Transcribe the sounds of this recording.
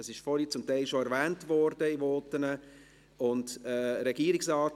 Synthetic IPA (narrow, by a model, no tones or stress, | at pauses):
əsɪʃfɔɾit͡sʊmtaɪlʃoɛɾvɛːntvɔɾd̥əivɔːtənə | ʊndɛːɾɛɡ̥iːɾɪksɑːt